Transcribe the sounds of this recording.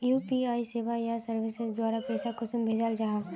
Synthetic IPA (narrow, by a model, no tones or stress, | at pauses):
juːpiaːiseːʋajasɐɾʋɪsɪsd̪waːɾapɛːsakʊsəmbʱeːd͡ʒald͡ʒaːɦʋ